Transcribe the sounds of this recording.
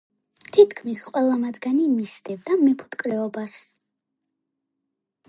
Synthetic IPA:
t̪ʰit̪ʰkʰmisqʼwɛlˠamad̪ɡanimisd̪ɛbd̪amɛpʰu̥t̪kʼɾɛɔbas

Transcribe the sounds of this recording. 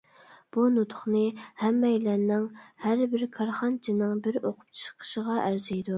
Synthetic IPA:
b̥unut̪ʰʊ̥χnɨhæmːɛjlænnːɪŋhæɾbɪɾkʰɑɾχɑnt͡ʃʰinɨŋbɪɾoqʰʊ̥p̚t͡ʃʰɨ̥ʃqʰə̥ʃəʁɑʔæɾzɪjd̪u

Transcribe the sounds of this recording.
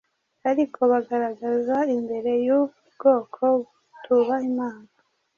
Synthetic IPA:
aɾikʰo̞βaɡaɾaɡazaimbe̞ɾe̞ju | bɡo̞ːkʰo̞βu | tʰuβaimaːŋa

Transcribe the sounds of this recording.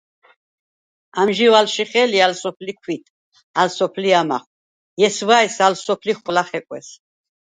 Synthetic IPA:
amʒivalʃiχɛlialsɔpʰlikʰwit̪ʰ | alsɔpʰliama̰χ | jɛsvaɛsalsɔpʰliχwlaχɛkʼwɛ̰s

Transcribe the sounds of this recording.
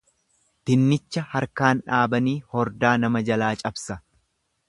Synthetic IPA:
t̪ɪnːɪt͡ʃːɐhɐɾkaːnᶑaːbɐniːhɔɾd̪aːnɐmɐd͡ʒɐlaːt͡ʃʼɐbsɐ

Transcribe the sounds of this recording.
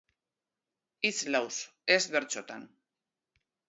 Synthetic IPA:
it͡slawsezβe̞ɾt͡so̞t̪a̰n

